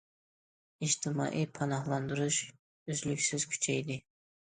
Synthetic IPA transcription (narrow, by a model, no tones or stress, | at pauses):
id͡ʒt̪ʰɪmɑ̰ːʔipʰɑnɑɦlˠɑnd̪uɾuʃ | yzlykʲsyz̥kʲʰy̥t͡ʃʰɛjd̪ɪ